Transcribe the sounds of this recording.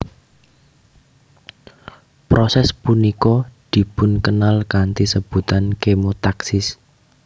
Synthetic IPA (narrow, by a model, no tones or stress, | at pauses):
pɾosɛspunikɔd̪̥i̤pʊnkənalkant̪isəb̥ṳt̪ankemot̪aksɪs